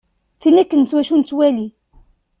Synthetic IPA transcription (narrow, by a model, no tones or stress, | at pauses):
θinækːənswæʃunt͡sːwæli